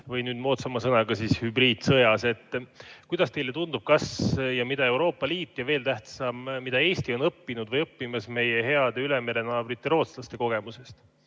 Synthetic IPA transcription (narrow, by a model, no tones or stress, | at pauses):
vɤjnyːd̪̥mo̞ːt̪sɑmɑsɤnɑɡ̥ɑsishybriːd̪̥sɤjɑse̞t̪ːkujd̪̥ɑst̪e̞jle̞t̪und̪̥ub̥̚kɑsjɑmid̪̥ɑe̞wɾo̞ːpːˑɑliːt̪ːjɑve̞ːlt̪æht̪sɑmmid̪̥ɑe̞ːst̪io̞nɤpːinud̪vɤjɤpːimɑsme̞jeɦe̞ɑd̪̥eylemeɾe̞nɑːbrit̪ːˑeɾo̞ːt̪slɑst̪e̞ko̞ɡ̥e̞muse̞st̪